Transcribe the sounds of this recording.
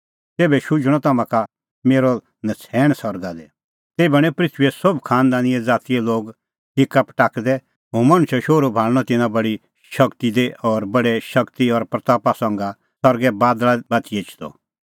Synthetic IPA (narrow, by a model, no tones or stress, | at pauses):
t̪eːbɛʃʊd͡ʒɽ̃ɔt̪ɐmãka | meːɾɔ | nɐt͡sʰɛːɽ̃sɔɾɡad̪ɛ | t̪eːbɛɽ̃ɛ̃pɾɪt̪ʰʋiɛsɔbkʰaːnd̪aːnɪɛd͡zaːt̪iɛloːɡ | ʈɪkːapʈaːkd̪ɛ | ɦõːmɐñʊʃɛʃoːɾubʱaːɭɽ̃ɔt̪ɪnãbɐɽi | ʃɐkt̪id̪eʔɔɾbɐɽɛʃɐkt̪iɔɾpɾɐt̪aːpasɐ̃ŋɡa | sɔɾɡɛbaːd̪labɐt̪ʰieːt͡ʃʰd̪ɔ̰